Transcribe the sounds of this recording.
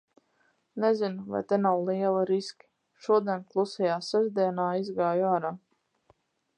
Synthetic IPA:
nɛzinuva̰jt̪enawlˠiɛlˠiɾiskʲi̥ | ʃuɔd̪iɛnklˠusɛjaːsɛʒd̪iɛnaːizɡaːjuaːɾaː

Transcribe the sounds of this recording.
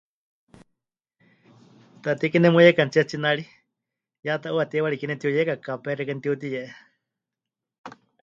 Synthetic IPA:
t̪at̪ikinɛmujɛkant͡ʃiat͡ʃinaɺi | jat̪aʔuat̪iwaɺikinɛt̪iujɛkakapɛrɛkant̪iut̪̬ijɛʔɛ

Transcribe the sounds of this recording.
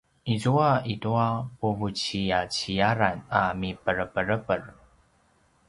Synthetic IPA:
izuaituapuvut͡ɕiat͡ɕijaɾanamipəɾəpəɾəpər

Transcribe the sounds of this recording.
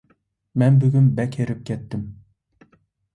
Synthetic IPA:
mɛnbyɡʲynbɛkʲeɾɪp̚kʲʰɛt̪ːɪm

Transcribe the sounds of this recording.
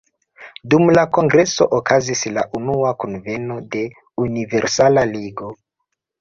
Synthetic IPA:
dumlako̞ŋɡɾe̞so̞̰ʔokazisla̰ʔunuakonve̞no̞de̞ | unive̞ɾsalaliɡo̞

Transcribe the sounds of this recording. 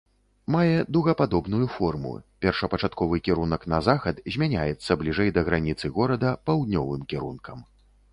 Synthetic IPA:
majɛd̪uɣɐpad̪ɔbnujufɔrmṵpʲɛrʂɐpɐt͡ʂat̪kɔvɨkʲɛɾunɐknɐzaxɐt̪zʲmʲanʲajɛt̪sːɐblʲiʐɛjd̪ɐɣɾanʲit̪sɨɣɔɾɐd̪ɐpawd̪nʲɔvɨmkʲɛɾunkɐm

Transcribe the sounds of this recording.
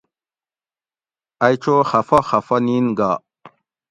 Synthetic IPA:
ajt͡ʃoxafaxafaninɡa

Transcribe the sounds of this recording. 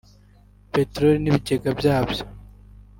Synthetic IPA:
petɾoliniβiceɡabjaːabjo̥

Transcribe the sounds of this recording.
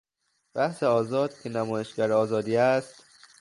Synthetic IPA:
b̥æhseɒːzɒːd̪̥̚cʰe̞næmɒːjeʃɡæɾeɒːzɒːd̪iːæst̪

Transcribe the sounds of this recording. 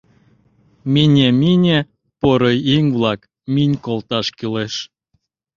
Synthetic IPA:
minʲeminʲe | poɾoiŋvlɑk | minʲkolt̪ɑʃkileʃ

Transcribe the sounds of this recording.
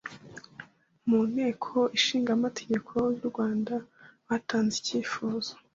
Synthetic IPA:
muːn̥he̞ːkʰo̞iʃiːŋɡamatʰe̞ɟe̞kʰo̞juɾɡwaːndaβataːnziciːfuːzo̥

